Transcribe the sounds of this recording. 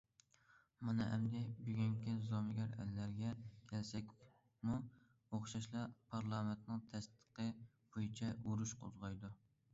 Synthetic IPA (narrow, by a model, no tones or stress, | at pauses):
mɑnɨʔɛ̰md̪ɛbyɡʲyŋkʲizomɪɡʲɛɾɛ̰lːæɾɡʲɛkʲʰɛlsɛkʲ | mu | oχʃɑʃlˠɑpʰɑɾlˠɑːmɪnt̪nɨŋt̪ʰɛst̪ʰə̥qə | b̥ojit͡ʃʰɛuɾuʃqʰo̰zʁɑjd̪u